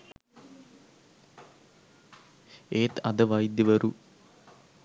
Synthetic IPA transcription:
eːt̪ɐd̪əʋɐjid̪jɐʋɐɾu

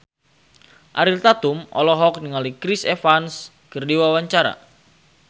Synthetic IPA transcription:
ʔaɾilt̪at̪umɔ̰lɔɦɔk̚niŋalikɾisefans | kərdiwawaɲt͡ʃaɾa̰

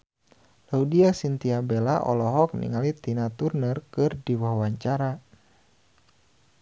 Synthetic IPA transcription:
laudiasint̪iabelaʔɔ̰lɔɦɔk̚nḭŋalit̪inat̪urnərkɨrdiwawaɲt͡ʃaɾa

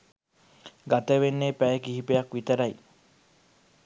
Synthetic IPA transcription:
ɡat̪ɐʋenːeːpæjekiɦipejɐkʋit̪ɐɾɐj

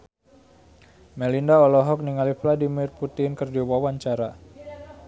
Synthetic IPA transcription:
mɛlindaɔlɔɦɔk̚niŋalifladimirput̪ɪnkərd͡ʒɔwawaɲt͡ʃaɾa

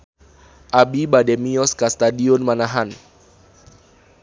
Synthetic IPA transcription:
ʔabibadɛmiɔskast̪adiɔnmanaɦan

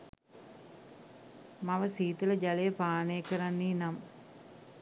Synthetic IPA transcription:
maʋəsiːt̪ələd͡ʒalejəpaːnejəkəɾanːiːnam

